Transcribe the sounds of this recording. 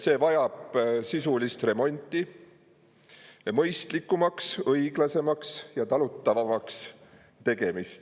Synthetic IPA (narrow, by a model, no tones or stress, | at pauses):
se̞ːvɑjɑb̥sisulist̪re̞mo̞nʲt̪ːˑi | mɤjst̪likːˑumɑksɤjɡ̥lɑse̞mɑksjɑt̪ɑlut̪ːɑvɑmɑks | t̪e̞ɡ̥e̞mist̪